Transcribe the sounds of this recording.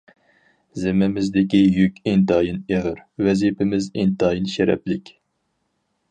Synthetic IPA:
zɪmɪmɪzd̪ɪkʲijykʲend̪ɑːjineʁɨɾwɛzipʰɪmɪzend̪ɑːjinʃɛɾɛ̰plɪkʲ

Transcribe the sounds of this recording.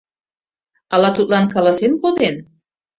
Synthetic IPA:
ɑlɑt̪ut̪lɑnkɑlɑsenkod̪en

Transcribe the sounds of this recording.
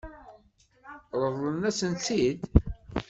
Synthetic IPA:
ɾˤəvlənæsənt͡s̪ːid̪

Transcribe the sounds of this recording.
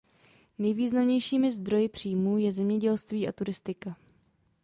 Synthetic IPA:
nɛjviːznamɲɛjʃiːmɪzd̪ɾo̞jɪpr̝̥iːmuːjɛzɛmɲɛɟɛlst̪viːʔat̪uɾɪst̪ɪka

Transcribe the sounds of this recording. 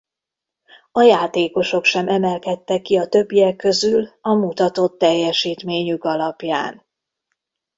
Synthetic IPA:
ɒjaːt̪eːko̞ʃo̞kʃɛmɛmɛlkɛt̪ːɛkːiɒt̪ø̞bːijɛkːø̞zylɒmut̪ɒt̪o̞t̪ːɛjːɛʃiːt̪meːɲykɒlɒpja̰ːn

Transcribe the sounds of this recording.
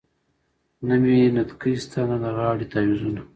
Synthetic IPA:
naminat̪kist̪ʰananaɣɑːɽit̪awizuna

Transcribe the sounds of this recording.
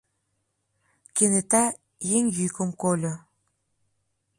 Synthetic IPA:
kenet̪a | jeŋjykə̆mkolʲo

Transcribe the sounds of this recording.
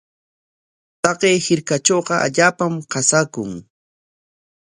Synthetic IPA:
t̪ɑqejhɪɾkat͡ʃoːqɑʔa̰ʎaːpamqɑsakʊŋ

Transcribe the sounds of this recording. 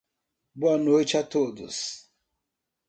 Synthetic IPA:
bɔnot͡ʃatodʊ̰s

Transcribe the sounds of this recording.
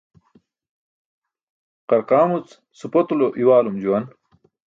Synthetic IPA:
qɐɾqaːmut͡s | supot̪uloʔiwaːlumd͡ʑuwɐn

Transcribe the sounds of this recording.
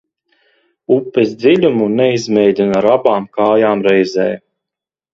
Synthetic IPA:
upːɛzd̪zilʲumunɛizmʲɛjd̪ʲinaɾabaːmkaːjaːmɾɛjzɛːj

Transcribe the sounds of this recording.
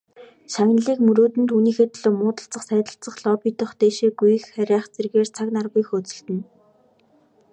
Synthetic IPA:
ʃaŋnɮiːkmɵɾoːt̪ɘ̆nt̪uniːxeːt̪ɮoːmʊːt̪ə̆ɬt͡sə̆χsæːt̪ə̆ɬt͡sə̆χɮɔpiːt̪ə̆χt̪eːʃeːɡuj̆xχæɾʲaːχt͡serɣeːrt͡sʰaknarɣujxɵt͡sɵ̆ɬt̪ɘ̆n

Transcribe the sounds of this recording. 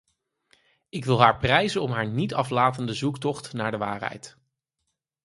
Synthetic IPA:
ɪkʋɪlˠɦaːɹprɛjzənɔmɦaːɹnitɑflaːtəndəzuktɔχtnaːɹdəʋaːrɦɛ̰jt

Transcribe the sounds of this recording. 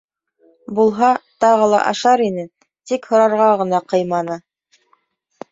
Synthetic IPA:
bulˠɦɑt̪ɑʁɤ̆lˠɑ̰ʔɑ̰ʃɑɾinɘ | t̪ikhŏɾɑɾʁɑʁɤ̆nɑqɤ̆jmɑnɤ

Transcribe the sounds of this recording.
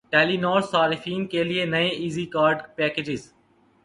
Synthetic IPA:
ʈɛːliːnɔːɾsaːɾɪfiːnkeːlieːnɐẽʔiːziːkaːɾɖpɛːkeːd͡ʒɪz

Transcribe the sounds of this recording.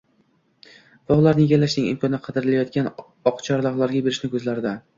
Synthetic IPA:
v̥ɒʁlˠaɾnɪɡʲalːaʃnɪŋɪ̰mkʰɒnɪqʰɑd̪ɪɾɪlajɒt̪̚kʲan | ɒqt͡ʃʰɒɾd̪ɒʁlˠaɾɡʲabe̞ɾɪʃnɪkʲʰɵzlaɾd̪ɪ

